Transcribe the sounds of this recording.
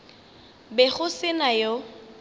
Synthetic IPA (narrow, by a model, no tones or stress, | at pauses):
bɛχʊsɪnajo